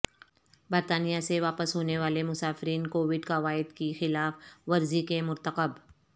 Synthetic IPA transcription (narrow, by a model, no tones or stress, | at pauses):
bəɾt̪aːnijaseʋaːpəsɦoːneʋaːlemʊsaːfɪɾiːnkoːʋɪɖkaʋaːɪd̪kixɪlaːfʋɐɾzikemʊɾt̪əqəb